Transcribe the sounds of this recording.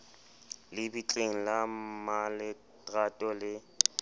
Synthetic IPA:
lɪbit͡ɬʼeŋ̩lamalɪ | ɣatʼɔlɪ

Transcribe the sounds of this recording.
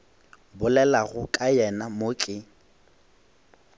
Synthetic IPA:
bʊlɛlaɣʊkʼajɛnamokʼɪ

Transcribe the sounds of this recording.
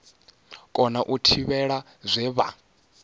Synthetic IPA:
kʼɔnaʔutʰiβɛɺa | zʷɛβa̰

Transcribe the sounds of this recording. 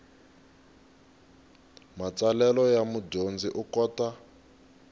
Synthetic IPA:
mat͡salɛlɔjamudond͡ziʔukɔːta

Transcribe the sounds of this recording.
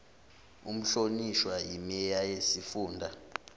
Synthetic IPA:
um̩ɬoniʃwaimijajesifuːndʱa

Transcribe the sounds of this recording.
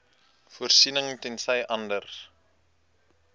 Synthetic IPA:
fuərsinəŋtɛnsəjʔɐndər

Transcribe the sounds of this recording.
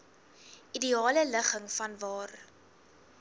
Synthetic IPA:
ʔidiɑːlələχəŋfɐnvɑːr

